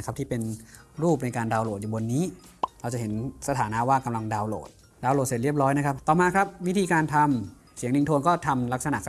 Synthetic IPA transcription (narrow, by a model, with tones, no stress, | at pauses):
kʰa˦˥p̪̚ʰiː˥˩pe˧nɾuː˥˩p̚na˧jkaː˧ndaː˧wloː˨˩t̪̚juː˨˩bo˧nːiː˦˥ɾa˧wt͡ɕa˨˩hɦe˩˦nsa˧t̪ʰaː˩˦na˦˥waː˥˩ka˧mla˧ŋdaː˧wlo̰ː˨˩t̪̚ | daː˧wlo˨˩se˨˩t̪̚ɾi˥˩əp̚ɾɔː˦˥jna˦˥kʰa˦˥p̚t̪ɔː˨˩maː˧kʰɾa˦˥p̚wi˦˥t̪ʰiː˧kaː˧nt̪ʰa˧m | si˨˩˦əŋdi˧ŋt̪ʰoː˧nkɔː˥˩t̪ʰa˧mla˦˥k̚sa˧na˨ʔ